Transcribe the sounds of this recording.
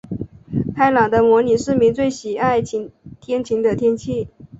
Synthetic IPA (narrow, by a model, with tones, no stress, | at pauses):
t̪ʰa˥ɪlɑ˨˩ŋd̪ə˦mwɔ˧˥ni˨˩ʂɻ̩˥˩mi˧˥ŋt͡swe˥˩ɪɕi˨˩a˥˩ɪt͡ɕʰi˧˥t̪ʰjɛ˥nt͡ɕʰi˧˥ŋd̪ə˧t̪ʰjɛ˥nt͡ɕʰi˥˩